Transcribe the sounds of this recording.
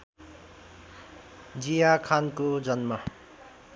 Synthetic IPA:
d͡zijakʰankod͡zʌnma

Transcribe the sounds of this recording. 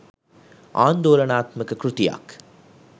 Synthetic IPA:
ʔaːnd̪oːlɐnaːt̪mɐkːɯkɾʊt̪ɪja̰ːk

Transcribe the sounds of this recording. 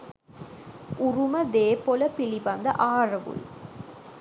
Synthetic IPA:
ʔʊrumɐd̪eːpːolɐpɪlibɐnd̪ɐ̰ʔaːrɐʋṵl

